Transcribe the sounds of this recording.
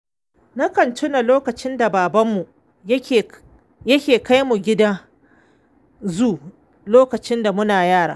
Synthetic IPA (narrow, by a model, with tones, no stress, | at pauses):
na˦kɐ˨ntʊ˦na˨loː˦kɐ˨t͡ʃɪ˦nda˨baː˨bɐ˦mːu˨˦˨ | jɐ˦kʲeː˨ka˦jmu˨ɡʲɪ˦da˦ | zuː˦ | loː˦kɐ˨t͡ʃɪ˦nda˨mʊ˦naː˨jaː˦˨ɽa̰ː˨